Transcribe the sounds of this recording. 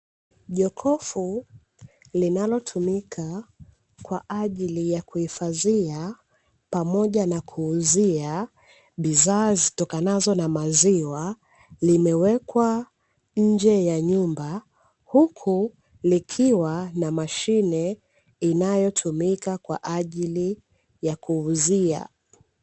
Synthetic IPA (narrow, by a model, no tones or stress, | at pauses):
ʄɔkʰɔfu | linalɔtʰumikʰa | kwaʔaʄilijakuhifaðia | pamɔʄanakʰuːzia | ɓizaːzitɔkanazɔnamaziwa | limɛwɛkwa | ɲ̩d͡ʒɛjaɲumba | hukʰu | likʰiwanamaʃinɛ | inajɔtʰumikakwa̰ʔaʄili | jakʰuːzia̰